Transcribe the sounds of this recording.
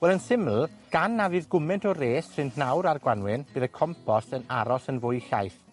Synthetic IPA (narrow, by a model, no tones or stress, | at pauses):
wɛlˠənsɪml̩ˠ | ɡ̥anːavɨðɡʊmɛntʰɔreːssɪnnawɾarɡwanwɪnb̥ɨːðəkʰɔmpʰɔstənaɾɔsənvʊjɬa̰jθ